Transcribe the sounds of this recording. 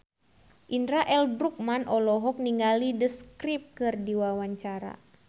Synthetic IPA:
ʔindɾaʔɛlbɾuk̚manʔɔlɔɦɔk̚niŋɡalidəskɾip̚kɨrdiwawaɲt͡ʃaɾa̰

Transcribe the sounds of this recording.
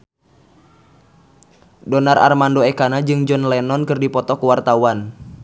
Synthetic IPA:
dɔnara̰rmandoekanad͡ʒɨŋd͡ʒɔnlɛnɔnkɨrdipɔt̪ɔkəwart̪awan

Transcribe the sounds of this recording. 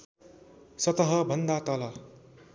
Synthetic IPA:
sʌt̪ʌɦʌbʱʌnd̪at̪ʌlʌ

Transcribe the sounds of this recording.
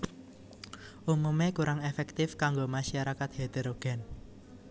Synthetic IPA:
ʔumumekuɾaŋefɛk̚t̪ɪfkaŋɡomaʃaɾakat̪ɦed̪eɾoɡ̥ɛ̤n

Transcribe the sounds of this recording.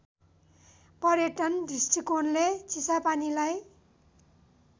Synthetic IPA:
pʌɾjeʈʌnɖʱisʈikonlet͡sisapanilaj

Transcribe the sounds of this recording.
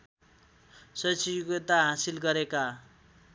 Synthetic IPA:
sʌt͡siuɡet̪aɦãsilɡʌɾeka

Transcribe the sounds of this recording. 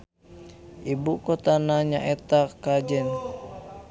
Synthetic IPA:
ʔibukot̪anaɲaʔɛt̪akad͡ʒɛn

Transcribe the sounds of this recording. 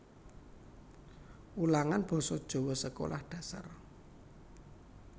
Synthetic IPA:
ulaŋanb̥ɔ̤sɔd̥ʒ̥o̤wɔsəko̰lʔahɖ̥a̤sa̰r

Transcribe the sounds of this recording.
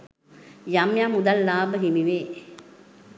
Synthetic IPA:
jamjamud̪alːaːbəɦimiʋeː

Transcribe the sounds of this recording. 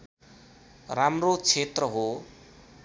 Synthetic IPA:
ramrot͡sʰet̪rʌɦo

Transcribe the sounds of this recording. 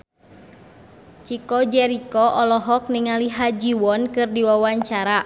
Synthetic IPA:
t͡ʃikɔd͡ʒɛɾikɔʔɔlɔɦɔk̚niŋaliɦad͡ʒiwɔnkɨrdiwawaɲt͡ʃaɾa

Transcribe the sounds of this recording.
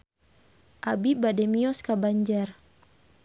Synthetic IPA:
ʔabibadɛmiɔskabaɲd͡ʒar

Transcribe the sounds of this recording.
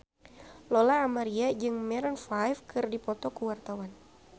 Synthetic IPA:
lɔlaːmaɾiad͡ʒɨŋmɛɾɔnfajfkɨrdipɔt̪ɔkuwart̪awan

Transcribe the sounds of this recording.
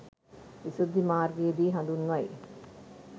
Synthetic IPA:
ʋisud̪ʱːimaːrɡɐjed̪iːɦɐ̃nd̪unʋɐj

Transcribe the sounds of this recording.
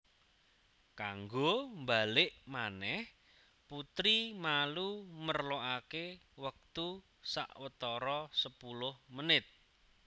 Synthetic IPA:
kaŋɡombalɪʔmanɛh | put̪ɾimalumərloʔakewək̚t̪u | sa̰ʔwət̪ɔɾɔsəpulʊhmənɪt̪̚

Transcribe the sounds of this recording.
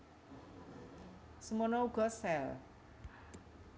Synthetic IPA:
sumɔnɔuɡɔsɛl

